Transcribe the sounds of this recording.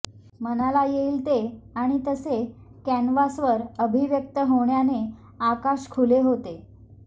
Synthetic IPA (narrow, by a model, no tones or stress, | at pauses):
mənalajeilt̪eaɽ̃it̪əse | kænʋasʋəɾəbʱiʋjək̚t̪əɦoɳjane | akaɕkʰuleɦot̪e